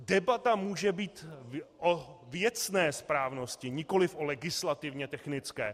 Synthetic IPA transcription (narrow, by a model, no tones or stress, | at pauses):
dɛbat̪amuːʒɛbiːt̪ʔovjɛt͡snɛːspɾaːvno̞scɪɲɪko̞lɪfʔo̞lɛɡɪslat̪ɪvɲɛt̪ɛxnɪt͡skɛː